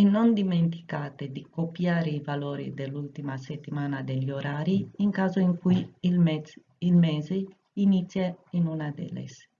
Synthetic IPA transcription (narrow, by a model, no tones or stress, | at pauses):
ɛnond̪iment̪i̥kaːt̪ed̪ikopjaːɾeivaloːɾḭd̪elːult̪imaset̪ːimaːnad̪eʎioɾaːɾiiŋkaːzoiŋkuj | ilmeːze | init̪sjeinunad̪ḛlḛs